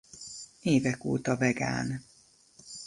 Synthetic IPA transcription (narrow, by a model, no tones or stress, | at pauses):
eːvɛko̰ːt̪ɒvɛɡa̰ːn